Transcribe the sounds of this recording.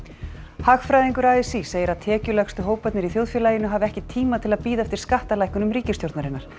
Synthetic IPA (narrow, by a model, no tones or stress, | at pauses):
haxfɾajðiŋkʏɾaɛsiseːjɪɾaðt̪ʰɛːcʏlɛxst̪ʏɦoːwpɛt̪nɪɾiθjowðfjɛlaːjɪnʏɦaːvɪɛhcɪt̪ʰiːmat̪ʰɪlaðpiːðaɛft̪ɪɾ̥skaht̪alajkʏnʏmriːcɪst̪jowɾt̪naɾɪnaɾ̥